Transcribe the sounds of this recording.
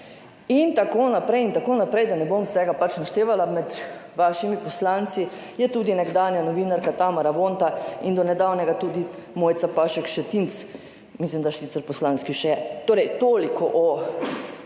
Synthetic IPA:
int̪akoːnapɾɛjint̪akoːnapɾɛjd̪anɛbomsɛɡapat͡ʃnaʃt̪eːʋalamɛd̪ʋaːʃimipɔslant̪si | jɛt̪uːd̪inɛɡd̪aːnjanɔʋiːnaɾkat̪amaɾaʋont̪aind̪ɔnɛd̪awnɛɡat̪uːd̪imoːjt̪sapaːʃɛkʃɛt̪int̪s | mislimd̪aʃsit̪sɛɾpɔslanskiʃɛjɛt̪oːɾɛjt̪oːlikʰɔʔɔ

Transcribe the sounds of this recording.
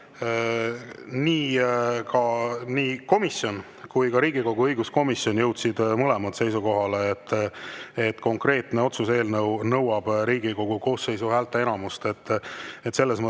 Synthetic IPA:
niːkʰɑniːko̞misjo̞n | kujkɑɾiːɡiko̞ɡ̥uɤjɡusko̞misjo̞njɤwt̪sid̪̥mɤlemɑt̪se̞jsuko̞ɦɑleːt̪ː | et̪ːˑko̞ŋkre̞ːt̪ne̞o̞t̪suse̞ːlnɤwnɤ̞wɑb̥ɾiːɡiko̞ɡ̥uko̞ːsːe̞jsuɦæːlt̪ːˑeenɑmust̪e̞t̪ːet̪se̞lːesmə

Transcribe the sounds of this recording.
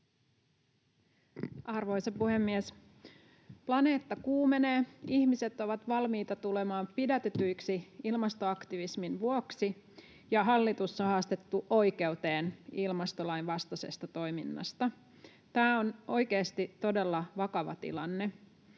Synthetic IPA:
ʔɑrʋo̞jsɑpuhe̞mːies | plɑne̞ːt̪ːɑkuːme̞neːihmise̞t̪o̞ʋɑt̪ʋɑlmiːt̪ɑt̪ulemɑːmpidæt̪et̪yjksiilmɑst̪oɑkt̪iʋisminʋuoksi | jɑɦɑlːit̪usːɑhɑːst̪e̞t̪ːuʔo̞jke̞wt̪e̞ːnilmɑst̪o̞lɑjnʋɑst̪ɑse̞̰st̪ɑt̪o̞jminːɑ̰st̪ɑ | t̪æːono̞jkeːst̪it̪o̞de̞lːɑʋɑkɑʋɑ̰t̪ḭlɑnːe

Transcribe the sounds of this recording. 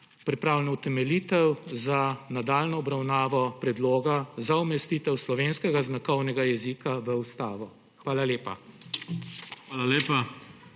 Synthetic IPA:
pɾipɾaːwlɛnɔut̪ɛmɛliːt̪ɛwzanad̪aːlnɔɔbɾawnaːʋɔpɾɛd̪loːɡazaumɛst̪it̪ɛwslɔʋeːnskɛɡaznakɔwnɛɡajɛzikaʋəust̪aːʋɔ | xʋaːlaleːpa̰ | xʋaːlaleːpa

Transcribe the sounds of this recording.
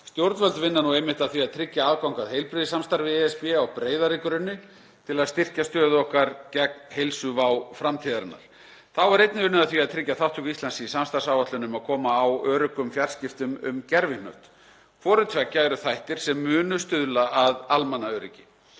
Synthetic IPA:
st̪jowɾt̪vœlt̪vɪnːanuejmɪht̪aðθviaðt̪ʰɾɪcːaaːðkawŋkaðhejlpɾɪðɪsamst̪aɾvɪɛɛspɛawpɾeːjðaɾikʏɾʏnːɪ | t̪ʰɪlaðst̪ɪr̥cast̪œːðɔhkaɾcɛk̚nhejlsʏvawfɾamt̪ʰiːðaɾanːa̰ɾ̥ | θawɛɾejt̪nɪʏnʏaðθviaðt̪ʰɾɪcːaθawht̪ʰukislansiisamst̪aɾ̥sawvat̪lʏnʏmaðkʰɔːmaːwœːɾʏkʏmfjar̥scɪft̪ʏmʏ̰mcɛɾvɪnœ̰ɥht̪ | kʰvɔːɾʏt̪ʰvɛcːaɛɾʏθajht̪ɪɾ̥sɛmːʏːnʏst̪ʏðlaaðalmanːaœːɾɪcɪ

